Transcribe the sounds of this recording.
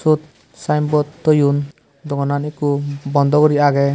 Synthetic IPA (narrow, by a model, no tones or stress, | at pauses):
sut̪̚ | sajmbɔt̪ːɔjun | d̪ɔɡɔnanikubɔnd̪ɔɡɔɾiaɡɛ